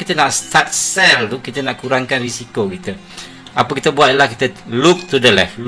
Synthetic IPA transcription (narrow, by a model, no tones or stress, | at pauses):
kit̪ənaʔst̪at̪̚sɛlt̪ukit̪ənaʔkuɾaŋkanrisikokit̪ə | apəkit̪əbuat̪̚lahkit̪əluk̚t̪udəlɛf